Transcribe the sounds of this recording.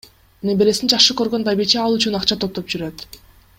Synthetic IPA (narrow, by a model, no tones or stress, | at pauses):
nebeɾe̞sind͡ʒɑχʃɯkø̞ɾɡø̞nbajbet͡ʃeɑlˠyt͡ʃynɑqt͡ʃɑt̪ʰo̞p̚t̪op̚d͡ʒyɾø̞t̪